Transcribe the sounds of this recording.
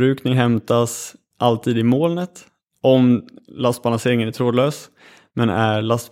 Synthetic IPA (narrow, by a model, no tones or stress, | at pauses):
ɾʉ̟ːknɪŋɦɛmt̪as | ʔalt̪ʰiːd̪ɪmoːlnət̪ | ʔɔmlast̪̚balanseːɾɪŋənæʈ̪ʰɾoːd̪løːs | mɛnæɭast̪